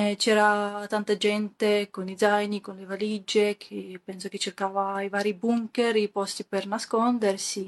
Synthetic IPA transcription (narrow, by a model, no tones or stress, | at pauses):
t͡ʃɛːɾat̪ant̪ad͡ʒɛnt̪ekonidzajnikonlevalid͡ʒekʰepɛnsoket͡ʃːerkaːvaivaːɾibuŋkeɾipɔst̪ipernaskond̪ersi